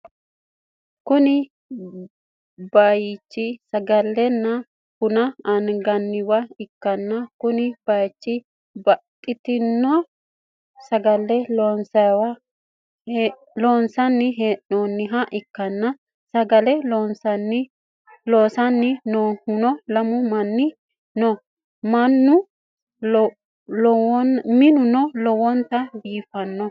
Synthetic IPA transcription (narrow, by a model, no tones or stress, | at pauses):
kʊnɪ | bɐjt͡ʃːɪsɐɡɐlːɛnːɐ | kʊnɐɐnɡɐnːɪwɐɪkːɐnːɐkʊnɪb̥ɐjt͡ʃːɪ | bɐkʼːɪt̪ɪnːɔ | sɐɡɐlːɛlːnsɐwɐ | loːnsɐnːɪɦeʔoːnːɪɦɐʔɪkːɐnːɐ | sɐɡɐlɛlɔnsɐnː | loːsɐnːɪnohʊnɔlɐmʊmɐnːɪ | nɔ | mɐnːʊ | ɔnmɪnʊnɔlɔwɔnt̪ɐbiːfɐnːɔ